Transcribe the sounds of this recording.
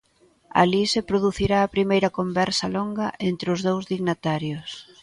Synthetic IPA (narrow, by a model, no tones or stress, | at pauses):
a̰lisepɾoðuθiɾaːpɾimejɾɐkombɛɾsɐloŋɡɐʔent̪ɾeʊzðowzðiɣnat̪aɾjʊs